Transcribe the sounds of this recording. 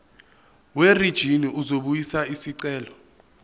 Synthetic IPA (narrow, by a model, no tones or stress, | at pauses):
werid̥ʒ̥ʱiniuzoɓujisaisiǀɛːlɔ